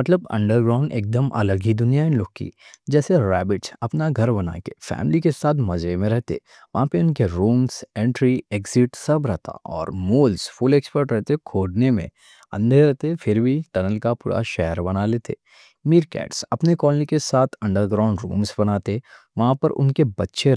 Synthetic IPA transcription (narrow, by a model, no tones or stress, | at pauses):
mɐt̪ləbɐ̰̃ɳɖəɾɡɾaːʊɳɖḛːk̚d̪əmʔɐ̰ləɡid̪ʊnijaɪ̃nloɡ̚kḭd͡ʒɛːseɾɛːbɪʈsɐpnaɡʱɐɾbɐna̰ːkefɛ̰ːmɪlikesaːt̪ʰmɐd͡ʒemẽɾɛɦt̪ḛ | ʋɐɦãpeʊnkeɾuːmsɛ̃ːɳʈɾieːkzɪʈsɐbɾɛɦt̪a̰ʔɔːɾmoːlzfʊleːkspəɾʈɾɛɦt̪ekʰoːɖnemḛ̃ | ɐ̰̃nd̪ʱeɾɛɦt̪efɪɾbʱiʈ̪ɐnəlkapṵːɾʔa̰ʃɛɦəɾbɐnaleːt̪ḛː | miːɾkɛ̰ːʈsɐ̰pnekɔːllikesaːt̪ʰɐ̃ɳɖəɾɡɾãːʊɳɖɾṵ̃ːmsbɐnaːt̪e | ʋɐɦãpɐɾʔʊ̰nkebɐtːʃʰe